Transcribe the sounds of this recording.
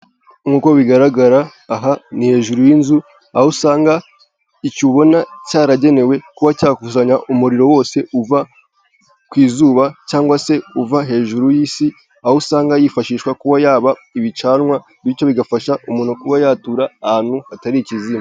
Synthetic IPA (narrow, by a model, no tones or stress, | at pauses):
mɡuːko̞βiɡaɾaɡaɾaː | ɦanihe̞ːʒuɾujinzu | ahusaːŋɡa | icuβo̞nacaːɾaɟe̞ne̞we̞kuβacaːkuuʃaɲaʔumuɾiɾo̞wo̞ːse̞uva | kwiːzuːβacaːŋɡwase̞uvaɦe̞ːʒuɾujiːsi | ahusaːŋɡajifaʃiːʃwakuβajaːβaiβit͡ʃaːnŋwa | βit͡ʃo̞βiɡafaʃaʔumuːn̥ukuβajaːtuɾahan̥huhataɾiciziːma